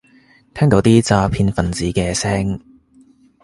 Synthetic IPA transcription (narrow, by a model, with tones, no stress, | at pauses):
t̪ʰɛː˥ŋt̪o˨˥wt̪iː˥t͡saː˧pʰiː˧nfɐ˨˩nt͡siː˨˥kɛː˧sɛː˥ŋ